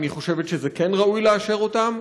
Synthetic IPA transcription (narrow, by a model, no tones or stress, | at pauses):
niχo̞ʃe̞vet̪ʃezekenʁaujleaʃe̞ʁo̞tam